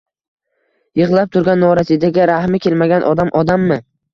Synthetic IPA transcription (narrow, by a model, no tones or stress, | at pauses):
jɨʁlˠap̚t̪ʰʊɾɡʲanːɒɾasid̪aɡʲɪɾahmɪkʲelmaɡʲanʔɒd̪amʔɒd̪amːɪ